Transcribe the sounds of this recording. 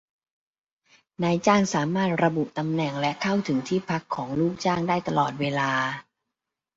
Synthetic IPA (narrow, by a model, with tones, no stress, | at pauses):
naː˧jt͡ɕaː˥˩ŋsaː˩˦maː˥˩t̪̚ɾa˧bu˨˩ʔt̪a˧mnɛ˨˩ŋlɛ˦˥ʔkʰa˥˩wt̪ʰɯ˩˦ŋt̪ʰiː˥˩pʰa˦˥kʰːɔː˩˦ŋluː˥˩k̚t͡ɕaː˥˩ŋdaː˥˩jt̪a˧lɔː˨˩t̪̚weː˧laː˧